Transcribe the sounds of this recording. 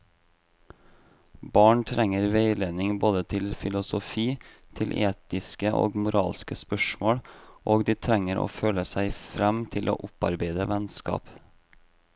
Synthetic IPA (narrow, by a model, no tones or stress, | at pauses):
bɑːɳt̪ʰɾɛŋəɾʋeɪleːnɪŋboːd̪ət̪ʰɪlfɪlʊsʊfiː | t̪ʰɪlʔeːt̪ɪskəʔo̰ːɡmʊɾɑ̰ːlskəspœʃmoːɽʔoːɡd̪iːt̪ʰɾɛŋəɾo̰ːføːləsæɪfɾɛmt̪ʰɪlʔo̰ːʔʊpɑ̰ɾbeɪd̪əʋɛnskɑ̰ːp